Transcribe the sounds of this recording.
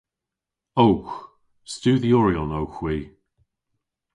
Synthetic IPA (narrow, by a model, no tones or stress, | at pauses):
owx | stʉːðiɔɹiɔnowxwiː